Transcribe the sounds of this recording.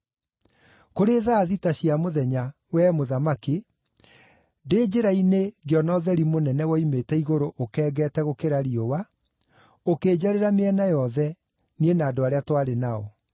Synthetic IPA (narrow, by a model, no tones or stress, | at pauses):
koɾeðaːðitaɕjamoðɛɲa | wɛmoðamake | deːd͡ʑeɾaineɡeɔnɔðɛɾimonɛnɛwɔimetɛiɣoɾoʔokɛːɡɛːtɛɣokeɾaɾiowa | okeːd͡ʑaɾeɾameɛnajɔðɛ | nienaːdoaɾeatwaɾenaɔ̰